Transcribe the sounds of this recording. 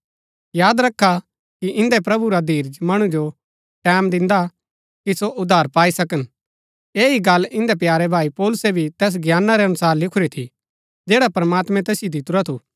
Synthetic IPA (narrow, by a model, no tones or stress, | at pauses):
jaːd̪ɾɐkʰːa | kiʔɪ̃nd̪ɛpɾɐbuɾad̪ʱiːɾd͡ʒmɐɽ̃ud͡ʒo | ʈɛːmd̪ɪ̃nd̪a | kisoʔʊd̪ʱaːɾpaːisɐkən | eːiɡɐlːɪ̃nd̪ɛpjaːɾɛbʱaːipɔːlʊsebʱit̪ɛːs̬ɡjaːnːaɾɛɐnʊsaːɾlɪkʰʊɾit̪ʰi | d͡ʒeːɽapɐɾmaːt̪mɛ̃t̪ɛːsɪjod̪ɪt̪uɾat̪ʰuː